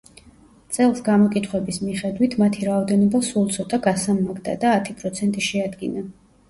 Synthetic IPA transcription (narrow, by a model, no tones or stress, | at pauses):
t̪sʼɛlˠsɡamɔkʼit̪ʰχwɛbismiχɛd̪wit̪ʰmat̪ʰiɾaɔd̪ɛnɔbasulˠt̪sʰɔt̪ʼaɡasamːaɡd̪a̰d̪aːt̪ʰipʼɾɔt̪sʰɛnt̪ʼiʃɛad̪ɡḭna